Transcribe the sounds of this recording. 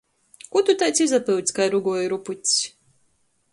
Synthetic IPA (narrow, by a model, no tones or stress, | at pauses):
kut̪ut̪ajt̪sizapɨwt̪ʲsʲkajɾuɡuɔjɾuput̪ʲsʲ